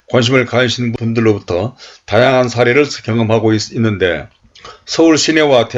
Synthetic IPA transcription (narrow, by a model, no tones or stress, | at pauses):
kwanɕ̬ʰimɯɭkaɯɕʰinbundɯɭːobutʰʌtajaŋɦansʰaɾeɾɯɭskjʌŋɯmɦaɡoiinːɯnde̞̰ | sʰʌuɭɕʰinewate